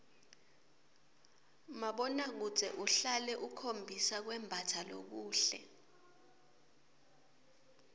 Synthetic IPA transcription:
maɓɔnak̬u̥z̥ʱɛʔuɬalɛʔukʰombʱisak̬wɛmbʱatʰalo̰k̬uːɬɛ̰

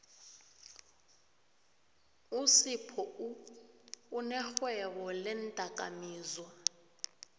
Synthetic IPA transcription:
usipʰɔ | nɛxwɛɓɔlɛntʼakʼa̰miːzwa

